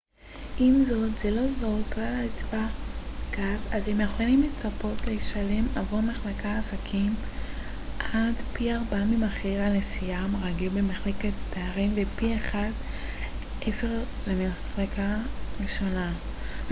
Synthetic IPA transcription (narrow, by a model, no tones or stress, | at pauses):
ʔimzo̞tz̥elo̞zo̞ʁkalait͡sbakazazhemjeχalimlet͡sapo̞tleiʃale̞mavuʁmaχlakʰaːsakʰim | ʔadpiaʁbamimaχiʁanesiamaʁaɡilbemaχleketːeaʁimvepieχad | ʔekseʁ | lemaχlekʰaʁiʃo̞na